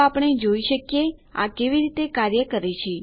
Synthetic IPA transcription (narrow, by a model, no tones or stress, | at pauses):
apɳ̃ed͡ʒoiʃəkjea̰keʋiɾit̪ekaɾjəkəɾet͡ʃʰe